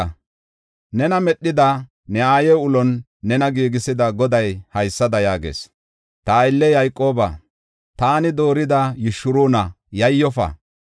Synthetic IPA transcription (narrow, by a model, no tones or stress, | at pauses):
nɛnɐmɛɗːɪd̪ɐ | nɛaːjɛʊlɔnː | ɛnɐɡiːɡɪsɪd̪ɐɡɔd̪ɐjhɐjsːɐd̪ɐjaːɡḛːs | t̪ɐːɪlːɛjɐjkʼːo̞ːbɐ̰ | t̪aːnɪd̪o̞ːɾɪd̪ɐjɪʃʊɾuːnɐ | jɐjːɔfɐ̰